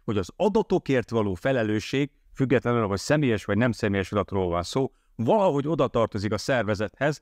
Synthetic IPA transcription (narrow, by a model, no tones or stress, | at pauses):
ho̞ɟɒzɒd̪ɒt̪o̞keːrt̪ʋɒloːfɛlɛløːʃeːɡ̚ | fyɡːɛt̪lɛnylɦo̞csɛmeːjɛʃʋɒɟnɛmsɛmeːjɛʃɒd̪ɒt̪roːlvɒnsoː | vɒlɒɦo̞ɟo̞d̪ɒt̪ɒrt̪o̞zikɒsɛrvɛzɛt̪hɛz